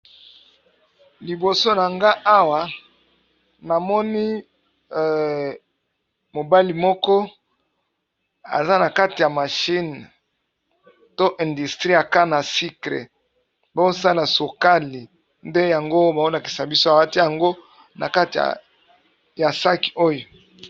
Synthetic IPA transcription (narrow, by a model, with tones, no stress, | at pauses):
li˨bo˨so˦na˨ŋɡa˦ʔa˦wa˨ | na˨mɔ˦ni˦˨ | mo˨ba˦li˨mɔ˦kɔ˦ | a̰˨za˦na˨ka˦ti˨ja˨ma˨ʃi˦n | to˦ʔɛ̃˨ndu˨stʁi˦a˨ka˦na˨si˦klḛ˨ | bo˦o˦sa˦la˨so˨ka˦li˨ | nde˦ja˨ŋɡo˦ba˨o˦la˨ki̥˨sa˨bi˦so˦a˨wa˦ti˦ja˨ŋɡo˦ | na̰˨ka˦ti˨ja̰˨ | ja˨sa˦ki̥˨o˦jo˨